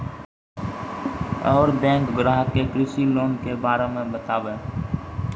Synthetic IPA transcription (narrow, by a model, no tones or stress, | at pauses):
ɔːɾbɛ̃ːŋkɡɾaːɦətːekɾɪsiloːnkebaːɾemẽbət̪aːʋẽː